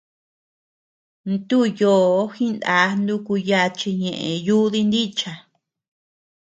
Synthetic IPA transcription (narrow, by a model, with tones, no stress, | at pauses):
nt̪u˦joː˨˧˨xĩ˦nd̪a˨˧nd̪u˧ku˧ja˧t͡ʃi˧ɲẽ˨ʔẽ˨ju˦ði˦˧nd̪i˦t͡ʃa˨